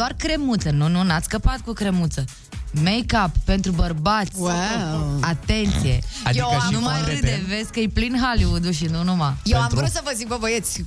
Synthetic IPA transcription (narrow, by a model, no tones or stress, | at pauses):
d̪oarkɾe̞mut̪sənununat̪sʲkəpat̪̚kukɾe̞mut̪sə | mejkapːe̞nt̪ɾubərbat̪sʲ | at̪e̞nt̪sije̞̰adj̪eiənumaeeve̞skəjplinɦaljud̪uʃ̬iunumajewavɾusəvəzik̚bobəjet̪sʲ